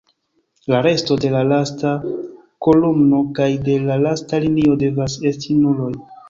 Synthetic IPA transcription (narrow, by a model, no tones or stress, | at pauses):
laɾe̞sto̞de̞lalasta | ko̞lumno̞kajde̞lalastalinio̞de̞vase̞stinulo̞j